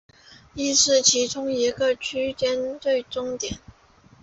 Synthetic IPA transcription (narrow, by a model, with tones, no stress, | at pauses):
i˥˧ʂɻ̩˥˩t͡ɕʰi˧˥ʈ͡ʂʊ˥ŋi˧˥ɡə˧t͡ɕʰy˥t͡ɕjɛ˥nt͡swe˥˩ɪʈ͡ʂʊ˥ŋt̪jɛ˨˩˦n